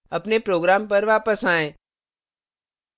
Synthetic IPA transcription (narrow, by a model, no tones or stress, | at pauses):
ɐpnepɾoːɡɾaːmpɐɾʋaːpəsaːẽː